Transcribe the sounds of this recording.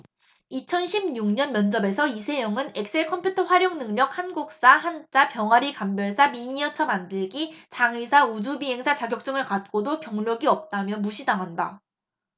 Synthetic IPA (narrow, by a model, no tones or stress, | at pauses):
it͡ɕʰʌnɕʰibɲuŋɲʌnmjʌnd͡ʑʌbe̞sʰʌisʰe̞jʌŋɯnek̚s͈ʰe̞ɭkʰʌmpʰjutʰʌɸwaɾjʌŋnɯŋɲʌk̚hanɡuk̚s͈ahant͡ɕ͈apjʌŋwaɾikambjʌɭs͈ʰamiɲiʌt͡ɕʰʌmandɯɭɡit͡ɕaŋisʰaud͡ʑubiɦe̞ŋsʰat͡ɕaɡjʌk̚t͡ɕ͈ɯŋɯɭkat̚k͈odokjʌŋʎoɡiʌp̚t͈amjʌmuɕʰidaŋɦanda̰